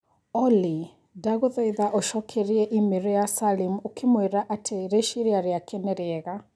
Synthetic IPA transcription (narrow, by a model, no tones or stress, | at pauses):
ɔli | daɣoðɛiðaʔɔʃɔkʰɛɾiɛʔimeɾɔjasalimokʰemweɾaʔatʰeɾeʃiɾeaɾjakʰɛnɛɾeɛːɣa